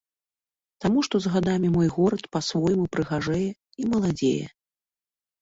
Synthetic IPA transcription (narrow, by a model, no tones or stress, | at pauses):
t̪amuʂt̪ɔzɣad̪amʲimɔjɣɔɾɐt̪pasvɔjmupɾɨɣaʐɛjɛ | imɐlˠad͡zʲḛjɛ̰